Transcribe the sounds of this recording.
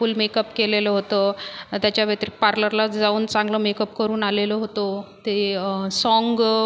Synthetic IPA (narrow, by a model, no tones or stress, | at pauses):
uːlmekəpkeleləɦot̪ət̪jat͡ɕjaʋjət̪ɾik̚paɾləɾlad͡zauːnt͡sãŋɡləmekəpkəɾuːnaleləɦot̪ot̪esɔŋɡ